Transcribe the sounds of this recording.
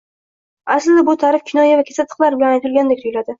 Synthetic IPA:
aslːɪbʊt̪ʰaɾɪfkʲʰɪnɒjavakʲʰesat̪ʰːɨ̥qlˠaɾbɪlanajt̪ʰɪlɡʲand̪ek̚ʲt̪ʊjʲlad̪ɪ

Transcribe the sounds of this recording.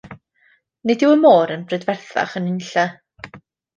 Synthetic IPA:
nɪdɪwəmoːɾənbrɛdvɛrθa̰χənɪnɬa

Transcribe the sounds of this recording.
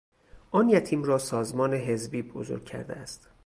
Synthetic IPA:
ʔɒːnjæt̪ʰiːmɾɒːsɒːzmɒːneɦezbiːbo̰zo̰ɾɡ̚cʰæ̰ɾd̪eæst̪

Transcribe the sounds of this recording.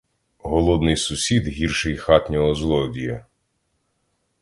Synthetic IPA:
ɦɔlˠɔd̪nɪjsʊsʲid̪ɦʲirʃɪjxɑt̪ʲnʲɔɦɔzlˠɔdʲijɐ

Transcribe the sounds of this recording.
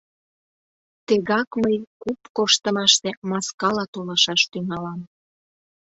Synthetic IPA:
t̪əɣɑkməjkupkoʃt̪əmɑʃt̪emɑskɑlɑt̪olɑʃɑʃt̪yŋɑlɑm

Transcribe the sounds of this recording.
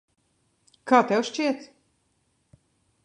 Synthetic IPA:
kaːt̪ɛwʃt͡ʃiɛt̪s

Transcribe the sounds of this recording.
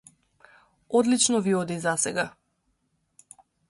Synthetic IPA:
ɔd̪lit͡ʃnɔviɔd̪izasɛɡa

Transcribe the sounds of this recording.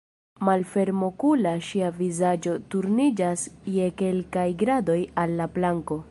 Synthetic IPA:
malfe̞ɾmo̞kulaʃiavizad͡ʒo̞tuɾnid͡ʒasje̞ke̞lkajɡɾado̞jalːaplaŋko̞

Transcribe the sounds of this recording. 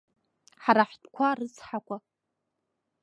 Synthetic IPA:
ħaɾaħʷtʼkʷʰarɨt͡sʰʼħakʷʼa

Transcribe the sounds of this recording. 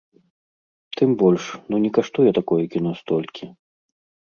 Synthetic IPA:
t̪ɨmbɔlʲʂnunʲɛkaʂt̪ujɛt̪akɔjɛkʲin̪ɔst̪ɔlʲkʲi

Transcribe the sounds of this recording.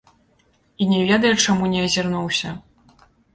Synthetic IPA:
inʲɛvʲɛd̪ɐjɛt͡ʂamunʲɛɐzʲarnuwsʲɐ

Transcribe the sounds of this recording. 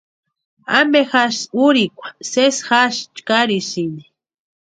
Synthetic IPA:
a̰mbexaʃuɾikʷḁsesxaʃt͡ʃkaɾisini̥

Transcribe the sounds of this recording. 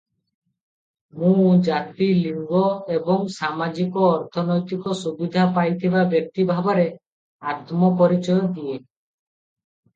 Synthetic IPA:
mũd͡ʒat̪iliŋɡɔebɔŋsamad͡ʒikɔːɾt̪ʰɔnɔjt̪ikɔsubid̪ʱapajt̪ʰibabjɔk̚t̪ibʱabɔɾe | at̪mɔpɔɾit͡ʃɔjɔd̪ie

